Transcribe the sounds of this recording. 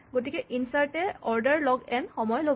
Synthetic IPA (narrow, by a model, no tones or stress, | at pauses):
ɡotikɛʔinsaɹtɛɔɹdaɹlɔɡɛnxɔmɔjlo